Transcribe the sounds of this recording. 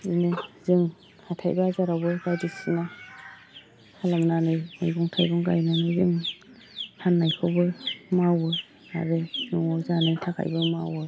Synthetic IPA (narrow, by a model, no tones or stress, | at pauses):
inɯzɯŋ | hatʰajbaazaɾabɯɡajdisina | hʰalaŋnanɯjnɯjbuŋtʰajbuŋɡa̰jnanɯbim | tʰanːajkʰɯwbɯmawɯ | a̰ɾɯnuŋɔzanɯjtʰakʰa̰jbɯmawɯ